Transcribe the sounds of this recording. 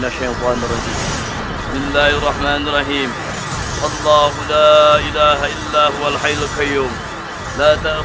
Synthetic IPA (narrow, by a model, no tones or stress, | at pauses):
naʃajmxwaːnɪrˤːɑd͡ʒiː | ɪsmɪlːaːhɑrˤːɑħmaːnɑrˤːɑħiːm | ʔɑlˤːɑːhʊlaːʔɪlaːhaʔɪlːaːhʊwalħajlkajːoːm | laːt̪aʔ